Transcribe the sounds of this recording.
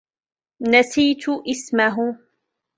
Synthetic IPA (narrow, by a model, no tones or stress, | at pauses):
nasiːt̪ʔɪsmaɦ